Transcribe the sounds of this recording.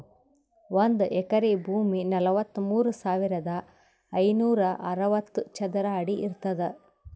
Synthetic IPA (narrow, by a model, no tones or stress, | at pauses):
ʋond̪uʔɛkɐɾibʱuːminɐlɐʋɐt̪ːumuːɾusaːʋiɾɐd̪ɐ | ɐjnuːɾɐʔɐɾɐʋɐt̪ːut͡ʃɐd̪ɐɾɐːɽiʔiɾt̪ɐd̪e